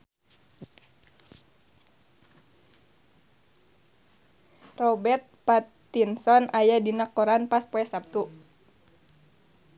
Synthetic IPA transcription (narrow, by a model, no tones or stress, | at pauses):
rɔbɛrt̪̚pat̪ | insɔnʔajadinakɔɾanpas̚poɛsap̚t̪u